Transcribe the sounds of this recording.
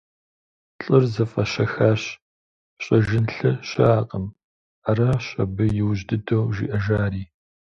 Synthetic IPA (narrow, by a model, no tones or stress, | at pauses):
ɬʼɨrzɐfɐɕɐxaːɕ | ɕʼɐʒɪnɬɨɕɐ̰aːqʼəm | arɐɕɐ̰bɨjɪwʑdɨdowʒḭʔɐʒaːriː